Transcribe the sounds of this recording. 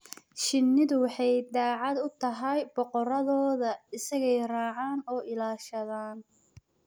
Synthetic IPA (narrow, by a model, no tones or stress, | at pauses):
ʃɪnːɪðʊwɑħɑjd̪aːʕɑd̪ʊt̪ʰɐɦɐjbɔqɔɾɐðɔːðɐɪsɐɣɛjraːʕaːnɔːʔɪlaːʃɐðaːn